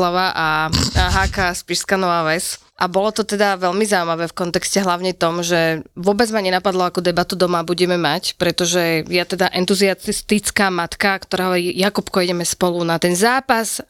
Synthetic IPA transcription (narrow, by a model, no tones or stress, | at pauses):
aʋaʔaɦaːkaspiʃskanɔaʋɛs | ʔabɔlɔt̪ɔt̪ɛd̪aʋɛʎmizaumaʋɛːfkɔnt̪ɛkscɛɦlaʊɲɛt̪ɔmʒɛʋʊɔbɛd͡zmaɲɛnapad̪lɔakɔd̪ɛbat̪ud̪ɔmabuɟɛmɛmacpɾɛt̪ɔʒɛjat̪ɛd̪aʔɛnt̪uziast̪it͡skaːmat̪kakt̪ɔɾaːɦɔʋɔɾijakupkɔɛɟɛmɛspɔlunat̪ɛnzaːpas